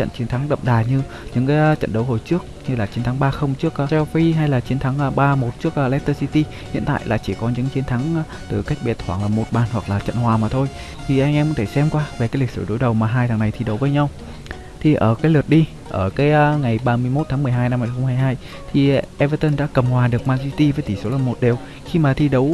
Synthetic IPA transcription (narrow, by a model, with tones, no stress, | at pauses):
t͡ɕə̰˧˨nt͡ɕi˨˦ənt̪ʰa˨˦ŋɗə̰˧˨ŋ͡mɗaː˨˩ɲɨ˧ | ɲɨ̰˧˥ŋkaː˨˦jt͡ɕə̰˧˨nɗə˨˦wɦo˨˩jt͡ɕɨ˦˥ək̚ɲɨ˧laː˨˩t͡ɕi˨˦nt̪ʰa˨˦ŋɓaː˧xə˧wŋ͡mt͡ɕɨ˦˥ək̚ːsɛ˧fi˧ɦa˧jlaː˨˩t͡ɕi˨˦ənt̪ʰa˨˦ŋː˧ɓaː˧mo˨˩t̚t͡ɕɨ˦˥ək̚ʔlɛ˦˥k̚t̪ə˧si˧t̪i˧ | hḭ˧˨ənt̪a̰ː˧˨jla̰ː˨˩t͡ɕi˧˩kɔ˨˦ɲɨ̰˧˥ŋt͡ɕi˨ənt̪ʰa˨˦ŋ˧ | t̪ɨ˨˩ka˦˥jk̚ɓɛ˨˩t̚t̪ʰwaː˧˩ŋlaː˨˩mo˨˩t̚ɓaː˨˩nhwa˨˩k̚laː˨˩t͡ɕə̰˧˨nhwaː˨˩maː˨˩t̪ʰo˧j | t̪ʰi˨˩ʔa˧jŋʔɛ˧mkt̪ʰe˧˩sɛ˧mkwaː˧ve˨˩kaː˨˦jli̟˨˩sɨ̰˧˩ɗo˨˦jɗə˨˩wmaː˨˩ɦaː˧jt̪aː˨˩ŋna˨˩jt̪ʰi˧ɗə˨˦wvəː˨˦jɲa˧w | t̪ʰi˨˩ʔəː˧˩kaː˨˦jlɨ˨˩ət̚ɗi˧ | ʔəː˧˩ka˨˦jŋa˨˩jɓaː˧mɨ˧əjmo˦˥t̪ʰaː˨˦ŋmɨ˨˩əjɦaː˧jna˧mha˧˩jxə˧ŋ͡mmhaː˧˩jɦaː˧j | t̪ʰi˨˩ʔɛ˧vəː˧t̪ə˧nɗa̰ː˧˥kə˨˩mhwaː˨˩ɗɨ˨˩ək̚maː˧nsi˧t̪i˧vəː˨˦t̪ʰi˧˩so˨˦laː˨˩mo˨˩t̚ɗe˨˩w | xi˧maː˨˩t̪ʰi˧ɗə˨˦w